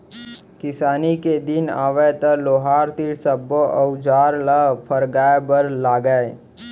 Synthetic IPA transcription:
kɪsaːniked̪ɪna̰ːʋet̪əloːɦaːɾt̪iɾsəboəʊd͡ʒaːɾlapʰəɾɡaːebəɾlaːɡəe

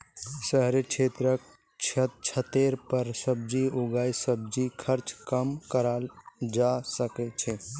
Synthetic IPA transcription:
səɦɾet͡ʃʰet̪ɾək | t͡ʃʰət̪t͡ʃʰət̪eɾpəɾsəb̚d͡ʒiuɡajsəb̚d͡ʒikʰəɾt͡ʃkəmkəɾald͡ʒasəkɛt͡ʃʰɛ

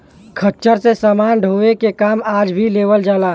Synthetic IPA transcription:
kʰət͡ʃəɾsesəmaːnɖʱoːʋekekaːmaːd͡ʒbʱileːʋəld͡ʒaːlaː

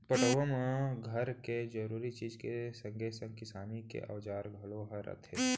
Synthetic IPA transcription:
pəʈəʋomẽɡʱɐɾked͡ʒəɾuːɾit͡ʃiːzkesə̃ŋɡʱesə̃ŋɡkɪsaːnikḛʔɐ̰ʋd͡ʒaːɾɡʱɐloɦəɾə̰t̪ʰe

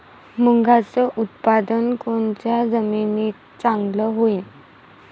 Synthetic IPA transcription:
muŋɡʱat͡səʔut̪̚pad̪ənkont͡ɕjad͡zəminiːt̪ | t͡sãŋɡləɦoin

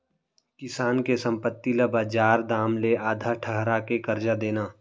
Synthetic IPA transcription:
kɪsaːnkesə̃mpət̪ːiləbad͡ʒaːɾd̪aːmleaːd̪ʱaːɾʈʰəɦɾakekəɾd͡ʒad̪eːnaː

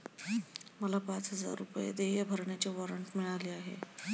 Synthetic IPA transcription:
məlapat͡sɦəd͡za̰ɾːupjḛd̪eʋjəbʱəɾɳjat͡ɕiʋɔɾəɳʈmiɭaliaɦḛ

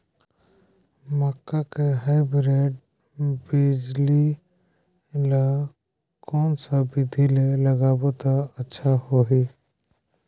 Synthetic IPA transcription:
məkːakeɦajbɾeːɖ | bid͡ʒli | lə | kɔːnsabɪd̪ʱileləɡaːbot̪aətːʃʰahoɦiː

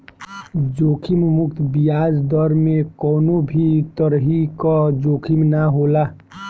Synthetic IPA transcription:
d͡ʒoːkʰimmʊkt̪bijaːd͡ʒd̪ɔɾmẽkɔːnobʱit̪əɾɦikɔd͡ʒoːkʰimnaɦoːla

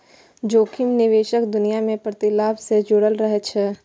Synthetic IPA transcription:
d͡ʒoːkʰɪmnɪʋeːʃəkd̪ʊnijamẽpɾət̪ɪlaːbsed͡ʒʊɽəlɾəɦet͡ʃʰɛ

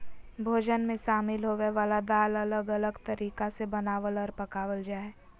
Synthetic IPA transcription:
bʱoːd͡ʒənmẽʃaːmɪlɦoːʋeʋaːlad̪aːlɐləɡɐləɡt̪ɐɾiːkasebɐnaːʋəlɔːɾpɐkaːʋəld͡ʒaːɛ

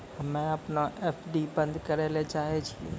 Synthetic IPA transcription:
mɛ̃ɐpnaʔeːfʰɖibə̃nd̪ʱkəɾeːlet͡ʃaːɦet͡ʃʰḭ

